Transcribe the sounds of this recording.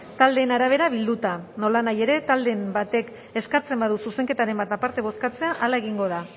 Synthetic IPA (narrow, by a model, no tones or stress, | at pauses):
t̪ald̪e̞ːnaɾaβ̞e̞ɾaβ̞ild̪ut̪ano̞lanaje̞ɾe̞t̪ald̪e̞mbat̪e̞k | e̞skat͡se̞mbað̞ususe̞ŋke̞t̪aɾe̞mbat̪apaɾt̪e̞β̞o̞skat͡se̞aʔalaeɣ̞iŋɡo̞ð̞a